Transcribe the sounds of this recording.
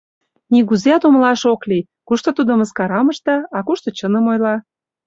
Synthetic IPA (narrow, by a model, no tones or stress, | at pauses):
nʲiɣuzeɑt̪omlɑʃokli | kuʃt̪ŏt̪ud̪ə̆məskɑɾɑmə̆ʃt̪ɑɑkuʃt̪ŏt͡ɕənə̆mojlɑ